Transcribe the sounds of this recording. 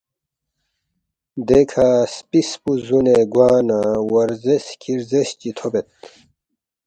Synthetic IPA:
d̪ekʰaspispuzuneɡwaːnawɐɾzeskʰiɾzest͡ɕit̪ʰobet̪̚

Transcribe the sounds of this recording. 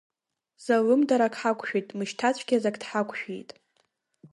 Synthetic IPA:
z̥alɨmdaɾakʰħakʷʰʼʃᶣijtʼmɨʃtʰat͡ɕʷʰɡʲazakʼdħakʷʰʼʃᶣijtʼ

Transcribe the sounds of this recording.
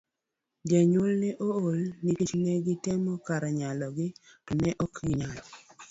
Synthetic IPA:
d͡ʒeɲʊlnɛʔoolnikit͡ʃmɛɡɪtemɔkaɾaɲalɔɡɪnɛʔɔkɡɪɲalɔ

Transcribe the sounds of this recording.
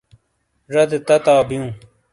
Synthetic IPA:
ʐɐd̪et̪ɐt̪aːbijũː

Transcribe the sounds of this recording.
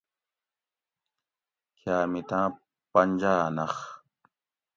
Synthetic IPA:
kʰjaːmit̪ãː | pɐɲd͡ʑaːnɐx

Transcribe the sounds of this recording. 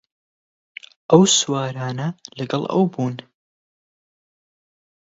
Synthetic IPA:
ʔɐwswaːɾaːnɐlɐɡɐlˠɐ̰wbuːn

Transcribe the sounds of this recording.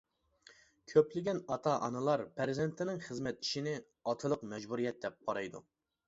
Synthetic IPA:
kʲʰøplɪɡʲɛnɑt̪ʰɑʔɑ̰nɨlˠɑɾpʰæɾzɪnt̪ʰɪnɪŋχəzmɛt̪i̥ʃinɪ | ɑt̪ʰɨlˠəqmɛd͡ʒbuɾijɛt̪̚d̪ɛp̚qɑɾɑjd̪ṵ

